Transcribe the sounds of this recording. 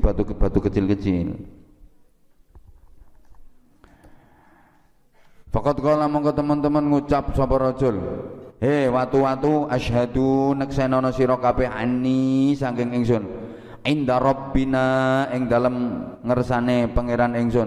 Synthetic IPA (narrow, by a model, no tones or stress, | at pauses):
b̥at̪ub̥a̤t̪ukət͡ʃɪlkət͡ʃɪl | fakɔt̪̚kɔlamɔŋkɔt̪əmənt̪əmənŋut͡ʃap̚sɔpɔɾɔ̥d͡ʒ̥ɔ̤lhewat̪uwat̪uaʃɦad̪unəksenɔnɔsiɾɔkapɛɦanisaŋkɪŋɪŋsʊn | ʔind̪aɾɔbinaɪŋd̪a̤ləmŋəɾsanepəŋeɾanɪŋsʊn